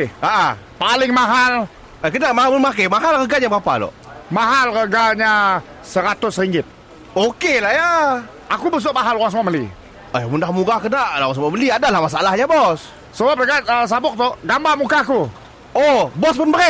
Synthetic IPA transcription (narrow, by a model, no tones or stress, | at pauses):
əʔə | palɪŋmaɦal | əkənaʔmaɦaləmak̬amaɦalɣəɡaɲabapa̰lɔ̰ʔmaɦalɣəɡaɲa | səɾat̪ʊsɾiŋɡɪt̪̚ | okelahja | akubəs̬ʊʔmaɦaluaŋs̬əmaʔməlḭ | ajmundahmuɡakənaʔlaaŋsəmaʔməliadalahmasaalahɲabɔs | səbap̚rəɡat̪əs̬abʊk̚t̪ʊʔɡambamukaku | obɔspʊnbəɾɛ